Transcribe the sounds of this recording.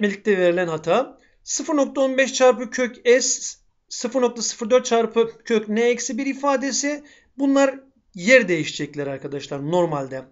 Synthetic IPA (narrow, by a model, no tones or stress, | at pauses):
melʲic̚t̪ʰɛve̞ɾilʲænhat̪ʰa | sɯfɯɾno̞k̚t̪ʰao̞nbɛʃt͡ʃʰaɾpɯcʰøcɛsː | ɯfɯɾno̞k̚t̪ʰasɯ̥fɯɾd̪ø̞ɾt̪̚t͡ʃʰaɾpʰɯcʰøcnɛːcsibiɾifaːd̪e̞si | bunlˠaɾ | jæɾd̪e̞jiʃd͡ʒɛclʲæɾaɾkʰad̪aʃlˠaɾno̞ɾmalʲd̪ɛ